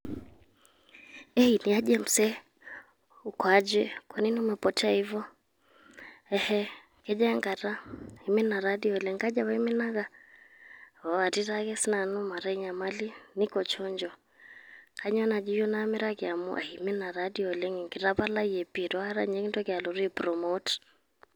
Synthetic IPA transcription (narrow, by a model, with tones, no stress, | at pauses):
ɛ˦i˨ni˨a˦d͡ʒɛ˦m̩sɛ˦ | u˨kwa˦d͡ʒɛ˦kɔ˨ni˦nu˦mɛ˨pɔ˦ta˦i˦vɔ˦ | ɛ˦hɛ˦ | kɛ˦d͡ʒa˦ŋɡa˨ɾa˦i˨mɛ˦na˨ɾa˦di˦ɔ˨lɛ˦ŋka˦d͡ʒa˦βa˦i˦mɪ˦na˦ka˨ | a˨a˨ti˦takɛ˦si˦na˨nu˦ma˨ɾa˦i˦ɲa˨ma˦li˦nɪ˦kɔ˨t͡ʃɔ˦ɲd͡ʒɔ˨ | kʰa˨ɲɔ˦na˨d͡ʒi˦jɔ˦na˦mɪ˦ɾa˦kɪ˨a˨mṵ˦ʔa̰˨i˨mɪ˦na˨ɾadi˦ɔ˨lɛ˦ŋi˨ŋki˨ɾa˦pa˦la˦i˦ɛ˨pi˨tɔ˦a˦ɾa̰ɲɛ˦ki˦ntɔ˦kɪ˨a˨lɔ˨ɾi˨pɾɔ˨mɔ˦t